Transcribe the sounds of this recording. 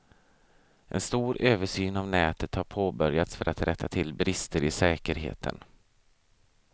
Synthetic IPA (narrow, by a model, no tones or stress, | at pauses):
ʔɛ̰nst̪uːɾøːvəʂyːnavnɛːt̪ət̪haɾpʰoːbœɾjat̪sfœɾʔat̪ɾʔɛt̪ʰːat̪ʰɪlbɾɪst̪əɾɪsɛːkəɾɦḛːt̪ʰə̰n